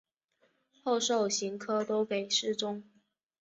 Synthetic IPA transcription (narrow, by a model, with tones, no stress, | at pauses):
xo˥˧ʊʂo˥˩ʊɕi˧˥ŋkʰɤ˥t̪o˥ʊke˨˩ɪʂɻ̩˥˩ʈ͡ʂʊ˥ŋ